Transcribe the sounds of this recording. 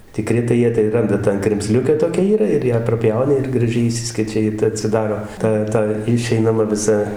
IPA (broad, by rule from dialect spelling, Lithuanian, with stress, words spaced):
tʲɪˈkrʲɪ tɐɪ ˈjiɛ tɐɪ ˈrɐndɐ ˈtɑː krʲɛmʲˈzʲlʲʊkʲæː ˈtoːkʲɛ ˈiːrɐ ɪr ˈjæː prɐˈpʲjɛʊnʲɪ ɪr ɡrɐˈʒʲɛɪ ɪˈʃʲsʲɪsʲkʲɛt͡ʃʲɛ ˈjɪ tɐɪ ɐtʲsʲɪˈdɑːroː ˈtɐ ˈtɐ ɪˈʃʲɛɪnɐmɐ ʋʲɪˈsɐ